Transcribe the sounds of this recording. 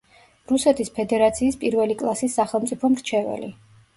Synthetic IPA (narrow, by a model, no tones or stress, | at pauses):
ɾusɛt̪ʰispʰɛd̪ɛɾat̪sʰiːspʼiɾvɛlikʼlˠasisːaχɛlˠmt̪sʼipʰɔmɾt͡ʃʰɛvɛ̰li